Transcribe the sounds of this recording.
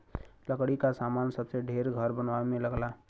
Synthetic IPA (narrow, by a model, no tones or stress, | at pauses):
ləkɽikasaːmaːnsəbseɖʱeːɾɡʱəɾbənʋamẽləɡlaː